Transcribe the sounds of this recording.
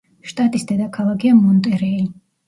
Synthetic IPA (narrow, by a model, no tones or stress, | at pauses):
ʃt̪ʼat̪ʼisd̪ɛd̪akʰalˠaɡiamɔnt̪ʼɛɾɛli